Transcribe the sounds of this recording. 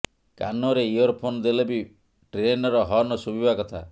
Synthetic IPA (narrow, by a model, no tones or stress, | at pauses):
ka̰nɔɾeiɔɾpʰonɔd̪elebi | ʈɾenɔɾɔɦɔnɔsubʱibʱakɔt̪ʰa